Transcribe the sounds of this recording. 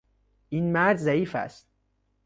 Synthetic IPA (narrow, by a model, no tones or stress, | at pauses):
ʔinmæɾd͡ʒzæiːfæ̰st̪̚